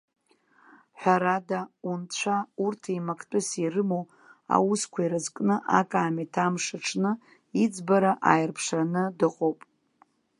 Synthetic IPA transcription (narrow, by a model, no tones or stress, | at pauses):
ħʷᶣaɾadaunt͡ɕʷʰaurtʰimakʰtʼʊsirɨmow | a̰wuskʷʰaiɾazkʼnɨʔakʼaːmitʰamʂaʈ͡ʂʰnɨ | id͡zbaɾaʔa̰jɪrpʰʂanɨdɨqʼowpʼ